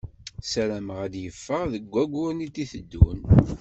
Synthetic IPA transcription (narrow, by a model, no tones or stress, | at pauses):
sæɾæməʁæd̪jəfːəʁðəɡʷːæɡʷʊɾnit̪ːiθəd̪ːṵn